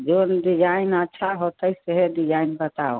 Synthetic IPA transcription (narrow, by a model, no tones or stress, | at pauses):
d͡ʒonɖid͡ʒainətːʃʰaɦot̪əjseɦedid͡ʒainbət̪ao